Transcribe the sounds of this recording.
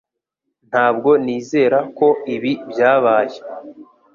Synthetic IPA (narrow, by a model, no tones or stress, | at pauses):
n̥haːb̚ɡo̞niːze̞ːɾako̞iβibjaːβaːje